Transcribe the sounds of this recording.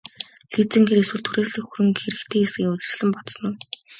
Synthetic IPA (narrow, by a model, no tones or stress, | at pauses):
ɮit͡sɘ̆ŋxeɾeswɘ̆ɮt̪ʰuɾeːsɮɘ̆kxuɾɘ̆ŋxeɾɘ̆kt̪ʰeːesɡʲiːŋʊɮ̆ʲt͡ɕɮə̆mpɔt̪s̆nun